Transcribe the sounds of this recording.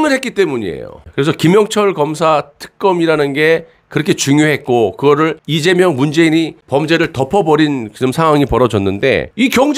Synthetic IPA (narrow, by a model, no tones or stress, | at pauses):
ŋɯɭhek͈it͈e̞muɲiḛjo̰kɯɾesʰʌkimjʌŋt͡ɕʰʌɭkʌmsʰatʰɯ̥k̚k͈ʌmiɾanɯnɡe̞ | kɯɾʌkʰe̞t͡ɕuŋjoɦe̞t̚k͈okɯɡʌɾɯɭid͡ʑe̞mjʌŋmund͡ʑe̞iɲipʌmd͡ʑe̞ɾɯɭtʌpʰʌbʌɾinɯmsʰaŋɦwaŋipʌɾʌd͡ʑʌnːɯnde̞̰ikjʌŋd͡ʑ